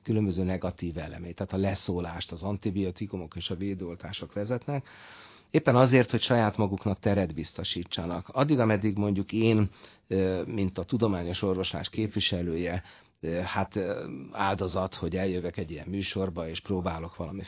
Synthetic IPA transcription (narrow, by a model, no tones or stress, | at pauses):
kylø̞mbøzøːnɛɡɒt̪iːvɛlɛ̰meːt̪ɛːt̪ɒlɛsoːlaːʃt̪ɒzɒnt̪ibio̞t̪ikumo̞keːʃɒveːd̪ɛo̞lt̪aːʃo̞kʋɛzɛt̪nɛk | eːpːɛnɒzeːrt̪ho̞cʃɒjaːt̪mɒɡuknɒkt̪ɛɾɛd̪bist̪o̞ʃiːt͡ʃːɒnɒkɒd̪ːiɡɒmɛd̪ːiɡmo̞ɲɟukeːn | mint̪ɒt̪ud̪o̞maːɲo̞ʃo̞rvo̞ʃla̰ːʃkeːpʋiʃɛløːjɛ | hat̪aːld̪o̞zɒt̪ho̞ɟɛljøvɛkɛɟijɛ̰mːyːʃo̞rbɒeːʃproːbaːlo̞kʋɒlɒmi